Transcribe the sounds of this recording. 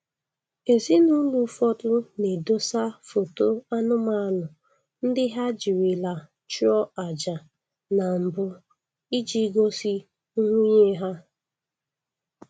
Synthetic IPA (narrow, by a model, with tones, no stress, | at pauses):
e˨zi˦nu˦lu˨˦fɔ˦tʊ˦ne˨do˦sa˦fo˨to˦a˦nʊ˦ma˦lʊ˨ | n̩˦dɪ˦ɦa˦d͡ʒi˨wi˨la˨ | t͡ʃu˦ɔ˦a˨d͡ʒa˨ | na˨m̩˨bʊ˦ | i˦d͡ʒi˦ɡo˦si˦ | ŋʷu˦ɲe˦ɦa˦